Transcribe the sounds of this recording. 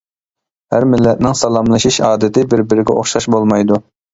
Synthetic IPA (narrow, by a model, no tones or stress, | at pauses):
hæɾmɪlːɛt̪̚nɪŋsɑlˠɑmlˠɨʃiʃɑːd̪ɪt̪ʰɪbɪɾbɪɾɪɡʲɛ̰o̰χʃɑʃbolˠmɑjd̪u